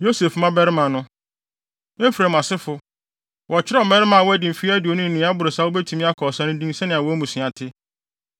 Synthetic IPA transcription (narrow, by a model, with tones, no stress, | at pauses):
jo˦se˨fmã˦bɛ˦ɾɪ˦mã˨nʊ̃˦ | ɪ̃˦fɾɛ˨m˨ã˨sɪ˦fʊ˦ | wʔɔ˨t͡ɕʰɪ˦ɾɔ˦˨mɛ˦ɾɪ˦mã˨wɔ˦æ˦dɪ˨fi˦æ˦dɪ˨o˨nʊ̃˦n̩˨nɪ̃˨˦a˦bʊ˨ɾsa˦wo˦bɛ˦tʰũ˨mĩ˦a˦kʰɔː˨sã˦nʊ̃˦dĩ˦n˦sɛ˦nɪ̃˨a˨wɔ˦mũ˨sɪ̃˨a˨tʰɪ˦